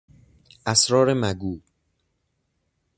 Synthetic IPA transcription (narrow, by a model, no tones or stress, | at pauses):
ʔæsɾɒːɾemæɡuːb̥